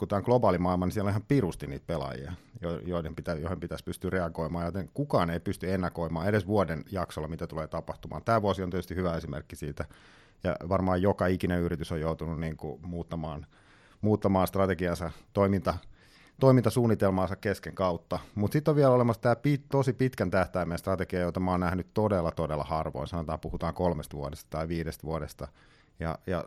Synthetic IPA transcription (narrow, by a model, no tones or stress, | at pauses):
kuæːoŋɡ̥lobɑːlimɑilmɑnisielonihɑmpirust̪inḭːt̪̚pelɑ̰jḭɑ̰jojoilempit̪æjoihempit̪æspyst̪yːreɑɡoimɑːjot̪eŋkukɑːneipyst̪yenːɑkoimɑːedesʋuodenjɑksolːɑmit̪æt̪uleːt̪ɑpɑht̪umɑ̰ːnt̪æːʋuosioniet̪yst̪ihyʋæesimḛrkːisiːt̪æ | jɑ̰ʋɑrmɑːjjokɑikineyrit̪ysojjout̪ununniːŋkṵmuːt̪ːɑmɑːn | muːt̪ːɑmɑːnst̪rɑt̪ekiɑnsɑt̪oimint̪ɑ | t̪oimint̪ɑsuːnːit̪elmɑːnsɑkkeskeŋkɑut̪ːɑmut̪sit̪ːoʋʋiɛlolemɑst̪æːpit̪osipit̪kænt̪æht̪æimẽnst̪rɑt̪eɡiɑjot̪ɑmoːnæhnytt̪odelːɑt̪odelːˑɑ̰hɑrʋo̰insɑnot̪ɑːmpuhut̪ɑːŋkolmest̪ʋuodest̪ɑ̥t̪ɑiʋiːɾest̪ʋuoɾest̪ɑ | jɑ̰jɑ̰